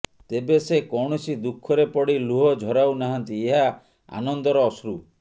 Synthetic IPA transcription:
t̪ebesekɔwɳɔsid̪ukʰːɔɾepɔɽiluɦɔd͡ʒʱɔɾawnaɦant̪ieɦa | a̰nɔnd̪ɔɾɔːsɾu

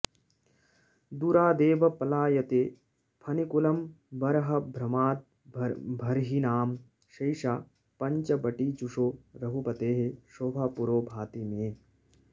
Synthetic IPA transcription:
d̪uɾaːd̪eːʋɐpɐlaːjɐt̪eː | pʰɐnikulɐm | bɐɾɐɦɐbʱɾɐmaːt̪̚ | bʱɐɾɦinaːm | ʃɐjʃaː | pɐɲt͡ʃɐbɐʈiːt͡ʃuʂoːɾɐɦupɐt̪eːɦeʃoːbʱaːpuɾoːbʱaːt̪imẽː

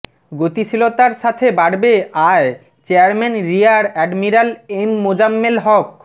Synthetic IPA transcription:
ɡot̪isʰilot̪aɾʃat̪ʰebaɽbeae | t͡ɕeaɾmɛnɾiaɾɛɖmiɾalemːod͡ʑamːelɦɔk̚

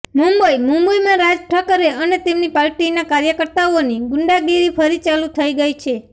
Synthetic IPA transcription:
mumbəimũmbəjmãɾad͡ʒʈʰəkəɾeənet̪emnipaɾʈinakaɾjəkəɾt̪aoniɡʊɳɖaɡiɾipʰəɾit͡ʃalut̪ʰəiɡəjt͡ʃʰe

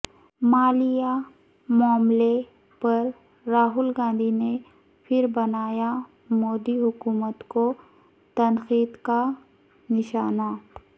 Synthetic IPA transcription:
maːlɪja | mɔəmle | pɐɾː | aːɦʊlɡãːnd̪ʱine | pʰɪɾbɐnaːja | moːd̪iɦʊkuːmət̪ko | t̪ɐnxiːd̪ka | nɪʃaːna

